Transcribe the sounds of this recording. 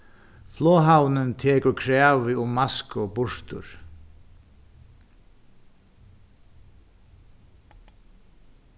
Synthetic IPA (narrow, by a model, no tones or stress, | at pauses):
flɔːɦawnʏnt̪ʰeːkʏɾkʰɾaːvɪʊmːaskɔɣpʊʂt̪ʊ̰ɾ̥